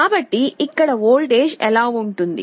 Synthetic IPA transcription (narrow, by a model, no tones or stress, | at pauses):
aːbɐʈːiʔɪkːɐɽɐoːlɖeːd͡ʒɛlaːʋuɳʈund̪ḭ